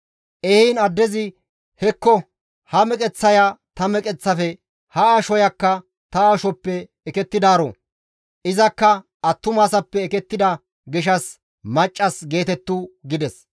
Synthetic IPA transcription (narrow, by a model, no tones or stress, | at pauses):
ʔɛhiːnɐd̪ːɛzɪ | hɛkːɔ | hɐmɛkʼɛt͡sːɐjat̪ɐmɛkʼɛt͡sːɐfɛ | hɐaːʃɔjɐkːɐ | t̪ɐaːʃɔpːɛː | kɛt̪ːɪd̪aːɾo̰ | ʔɪzɐkːɐ | ɐt̪ːʊmaːsɐpːɛːkɛt̪ːɪd̪ɐ | ɡɪʃɐs | mɐt͡ʃʼːɐsɡe̞ːt̪ɛt̪ːuɡɪd̪ɛs